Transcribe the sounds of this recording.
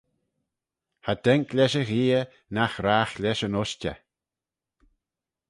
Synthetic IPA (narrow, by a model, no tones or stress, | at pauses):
had̪ɛŋklʲɛʃəɣiːə | naxɾaːxlʲɛʃənɔʃtʲə̰